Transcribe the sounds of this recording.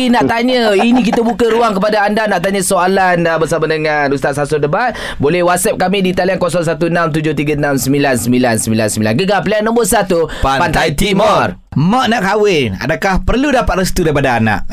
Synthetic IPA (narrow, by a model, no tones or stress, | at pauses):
inaʔt̪aɲəinĩk̬it̪əbukəɾuaŋkəpadaːndanaʔt̪aɲə̃soalanbəsamanəŋarust̪at̪̚sasɔndəbat̪ | bolɛhwat̪̚sɛp̚kamĩdit̪aliankɔsɔŋs̬at̪uənamt̪ud͡ʒʊht̪iɡənamsəmilansəmbilansəmbilansəmbilanɡəɡalplianə̃mboʔsat̪upannt̪ajt̪imər | maʔnaʔkawɪna̰dakahpərludapat̪rəst̪udaɾipadaːna̰ʔ